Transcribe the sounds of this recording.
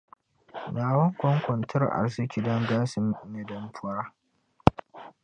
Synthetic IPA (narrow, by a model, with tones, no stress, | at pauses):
naː˨wɐ˦ŋkʷɔ˦ŋkʷɔ˨ntʰɐ˦rʔa̰˨rzɪ˦kʲi˨dɔ˦ŋɡaː˦sɪ˨m˦mɛ˦dɐ˦mɸʰʊ˦ɾaː˦